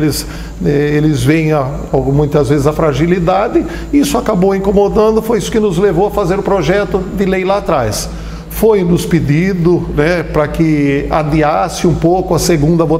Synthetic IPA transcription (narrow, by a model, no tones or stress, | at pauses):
lɪz | ɛelɪzvẽj̃a | amũj̃t̪ɐzvezɪzɐfɾaʒilid̪ad̪ɪ | isʊakabowĩŋkomod̪ɐ̃nd̪ʊfojisʊ̥kɪnʊzlevowɐfazeɾʊpɾoʒɛt̪ʊd̪ɪlejlat̪ɾajs | fojnʊspɪd̪id̪ʊnɛpɾɐkɪa̰d̪iasɪũpowkʊɐseɡũnd̪ɐvo